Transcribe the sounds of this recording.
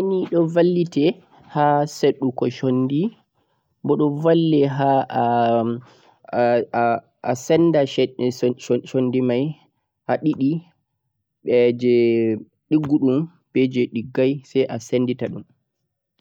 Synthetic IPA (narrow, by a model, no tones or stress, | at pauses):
aniɗɔvalːitɛ | haseɗːukɔʃondi | bɔɗɔvalːɛɦa | asɛndaɛoʃondimaj | ʔaɗiɗi | ɓɛd͡ʒɛ | ɗiɡːuɗum | bɛd͡ʒɛɗiɡːajsɛjʔasenditaɗum